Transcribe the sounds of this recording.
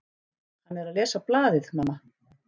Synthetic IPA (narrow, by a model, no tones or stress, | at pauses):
hanːɛɾaðlɛːsaplaːðɪðmaːmːa